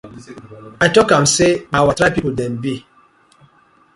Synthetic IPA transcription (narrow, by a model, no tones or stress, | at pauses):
aɪtɔkãmseawatɾapipudɛnbi